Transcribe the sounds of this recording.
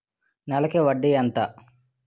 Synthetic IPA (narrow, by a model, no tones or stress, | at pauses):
nɐlɐkeːʋɐɖːijɐnt̪a